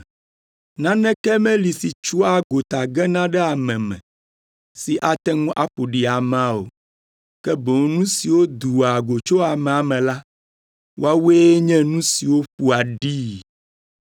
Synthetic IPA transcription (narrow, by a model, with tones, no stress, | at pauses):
nã˦nɛ̃˦kɛ˦mɛ̃˦li˨si˨t͡ʃu˦a˦ɡo˨t̪a˨ɡɛ˦nã˦ɖɛ˦a˨mɛ̃˨mɛ̰̃˨ | si˨ʔa˨t̪ɛ˦ŋũ˦ʔa˨ɸo˨ɖi˨a˨mã˦o̰˨ | kɛ˦bo˨˦nũ˦si˨wo˦d̪u˨a˨ɡo˨t͡ʃo˦a˨mɛ̃˨a˨mɛ̃˨la˦ | wo̰˦a˦wu˦e˦ɲɛ̃˦nũ˦si˨wo˦ɸu˦a˨ɖi˦